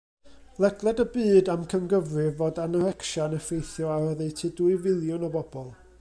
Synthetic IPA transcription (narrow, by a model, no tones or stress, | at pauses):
lˠɛɡlˠɛdəbɨːdamkʰəmɡəvrɪvodanəɾɛkʃanəfejθjɔaəðɛjtʰɪduɨvɪlˠjʊnɔbɔbɔlˠ